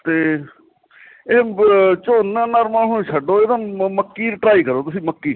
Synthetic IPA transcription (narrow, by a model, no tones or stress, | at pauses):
t̪eː | eːt͡ʃoːnːãːnaːɾmãːnũːʃʰəɖoːeːd̪ãːməkːiːɾɪʈɾaːiːkəɾoːt̪ʊsĩːməkːiː